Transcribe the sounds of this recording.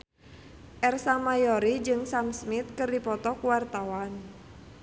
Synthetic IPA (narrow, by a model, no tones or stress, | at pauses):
ʔɛrsamajɔɾid͡ʒɨŋsamsmit̪̚kɨrdipɔt̪ɔkuwart̪awan